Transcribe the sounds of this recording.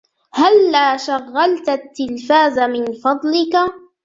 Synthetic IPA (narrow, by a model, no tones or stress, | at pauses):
halːaːʃaɣːalt̪at̪ːɪlfaːzamɪnfɑd̪ˤlɪka